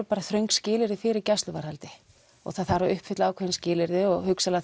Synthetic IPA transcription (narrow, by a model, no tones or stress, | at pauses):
paːɾaθɾœɥŋkscɪːlɪɾðɪfɪɾɪɾcɛst̪lʏvaɾhalt̪ɪ | ɔ̰ɣθaðθaɾaʏhpfɪht̪laaːwkʰɛɪnscɪːlɪɾðɪɔɣhʏksala